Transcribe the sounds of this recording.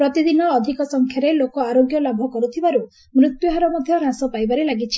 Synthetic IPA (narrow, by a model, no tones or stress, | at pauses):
pɾɔt̪id̪inɔːd̪ʱikɔsɔŋkʰjaɾelokɔaɾoɡjɔlabʱɔkɔɾut̪ʰibaɾu | mɾut̪juɦaɾɔmɔd̪ʱjɔɾasɔpajbaɾelaɡit͡ʃʰi̥